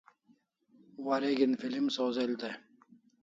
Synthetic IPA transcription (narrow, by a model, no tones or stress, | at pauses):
waɾeɡinfilimsoːzelt̪e